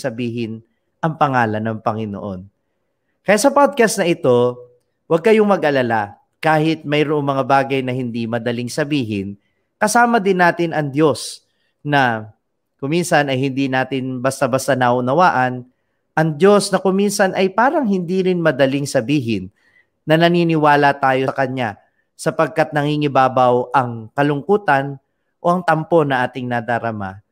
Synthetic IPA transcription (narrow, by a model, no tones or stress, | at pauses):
sɐbiːɦɪn | ʔɐŋpɐŋaːlɐnɐŋpɐŋɪno̰ʔo̞̰n | kɐjat̪sɐpod̪̚kɐst̪nɐʔɪt̪o̞ | wɐɡ̚kɐjoŋmɐɡʔɐlala | kaːhɪt̪̚mɐjɾoʔo̞ŋmɐŋabaːɡɐjnɐhɪnd̪imɐd̪ɐlɪŋsɐbiːɦɪn | kɐsaːmɐd̪ɪnːaːt̪ɪnɐŋd̪jo̞s | nɐ | kʊmːinsɐnɐjhɪnd̪inaːt̪ɪnbɐst̪abɐst̪ɐnɐʔʊnɐwaːʔɐn | ʔɐŋd̪jo̞snɐkʊminsɐnʔɐjpaːɾɐŋɦɪnd̪iːɾɪnmɐd̪ɐlɪŋsɐbiːɦɪnː | ɐnɐniːnɪwaːlɐt̪aːjo̞ɐkɐɲa | sɐpɐɡ̚kat̪̚nɐŋiŋɪbaːbɐwʔɐŋkɐlʊŋkuːt̪ɐn | ʔo̞ʔɐŋt̪ɐmpo̞nɐʔaːt̪ɪŋnɐd̪aɾɐma̰